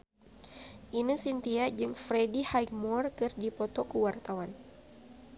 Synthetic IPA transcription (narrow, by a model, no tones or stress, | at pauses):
ʔinisint̪iad͡ʒɨŋfɾedihajk̚mɔrkɨrdipɔt̪ɔkuwart̪awan